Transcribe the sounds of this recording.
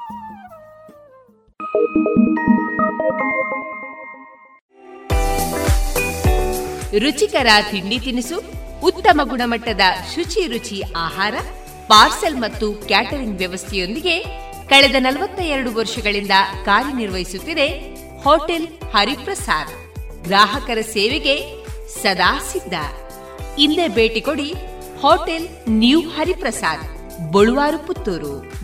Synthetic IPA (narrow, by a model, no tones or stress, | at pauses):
ɾut͡ʃikɐɾɐt̪iɳɖit̪inisuːt̪ːɐmɐɡuɳɐmɐʈːɐd̪ɐʃut͡ʃiɾut͡ʃiaːɦaːɾɐ | paːɾselmɐt̪ːukjaːʈɐɾiŋɡʋjɐʋɐst̪ʰɛjo̞nd̪iɡe̞ | kɐɭed̪ɐnɐlɐʋɐt̪ːɐɛɾɐɽuʋɐɾʂɐɡɐɭind̪ɐkaːɾjɐniɾʋɐɦisut̪ːid̪e̞ | hoːʈelhɐɾipɾɐsaːɾ | ɡɾaːɦɐkɐɾɐseːʋeɡe̞ | sɐd̪aːsid̪ːɐ̰ | ind̪ebeːʈikoɽi | hoːʈel | njuhɐɾipɾɐsaːɾ | boɭuʋaːɾuput̪ːuɾṵ